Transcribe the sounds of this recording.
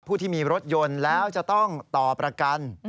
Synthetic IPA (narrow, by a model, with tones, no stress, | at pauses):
pʰu˥˩t̪ʰiː˥˩miː˧ɾo˦˥t̪̚jo˧nlɛː˦˥wt͡ɕa˨˩ʔt̪ɔ˥˩ŋt̪ɔː˨˩pːɾa˧ka˧n